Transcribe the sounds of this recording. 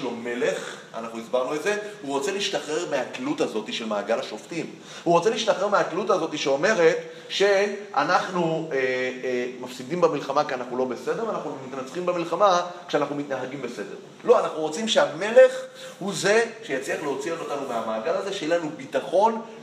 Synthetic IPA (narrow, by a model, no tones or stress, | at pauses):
lome̞le̞χ | a̰naχnuizbaʁnualze̞huʁot͡se̞liiʃtaχe̞ʁmeaklutazo̞tiʃe̞lmaːɡalaʃo̞ftim | huʁo̞t͡seliiʃtaχe̞ʁmeaklutazo̞tiʃeome̞ʁe̞t | ʃe̞anaχnue | mafsidimbemilχamakianaχnulo̞be̞se̞de̞vanaχnumitnat͡sχimbemilχamakʃeanaχnumitnaɦaɡimbe̞se̞de̞̰ʁ | lo̞anaχnuʁo̞t͡simʃeame̞le̞χ | huze̞ʃejat͡sliaχleot͡siototanumeamaːɡalaze̞ʃejelanubitaχo̞n